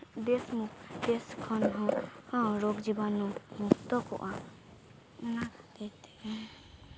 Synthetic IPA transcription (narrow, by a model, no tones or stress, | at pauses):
d̪esmukd̪eskʰɔnɦɔ̃hɔ̃ɾoɡd͡ʒibanːũmukʰt̪ɔkɔ̰ʔa | nad̪et̪ɛɛ